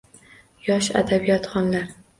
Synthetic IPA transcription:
jɒʃa̰d̪abijɒt̪χɒnlaɾ

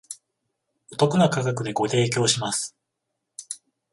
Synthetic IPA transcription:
ot̪o̞kɯ̟nakaɡakɯ̟d̪e̞ɡo̞t̪e̞ːk̬ʲo̞ːɕimasɨ̥

